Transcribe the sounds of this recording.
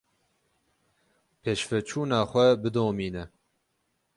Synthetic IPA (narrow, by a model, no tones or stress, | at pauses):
pʰeːʃfɛt͡ʃʰuːnaːxʷɛbɨd̪oːmiːnɛ